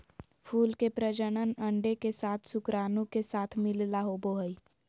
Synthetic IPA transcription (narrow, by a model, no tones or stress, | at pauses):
pʰuːlkepɾəd͡ʒəɽ̃ənə̃ɳɖekesaːt̪ʰsʊkɾaːnũkesaːt̪ʰmɪllaɦoboɦəi